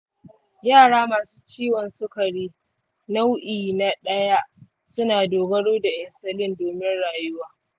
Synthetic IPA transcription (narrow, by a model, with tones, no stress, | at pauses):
jaː˦˨ɽaː˦maː˨su̥ː˦t͡ʃiː˦wɔ˨nsʊ˦kɐ˨ɽiː˦ | na˦wʔiː˨na˦ɗɐ˦ja˦ | sʊ˦naː˨doː˨ɡɐ˦ɽoː˦da˨ʔɪ˨nsɐ˨lɪ˦ndoː˨mɪ˦nɽaː˨jʊ˦waː˦